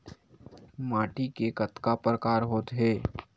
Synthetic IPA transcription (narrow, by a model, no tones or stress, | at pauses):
maːʈikekɐt̪kapɾəkaːɾɦoːt̪ɦɛː